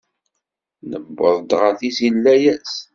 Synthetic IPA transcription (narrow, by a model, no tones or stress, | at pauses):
nə̰bːəðˤd̪ʁæθizilːæjæs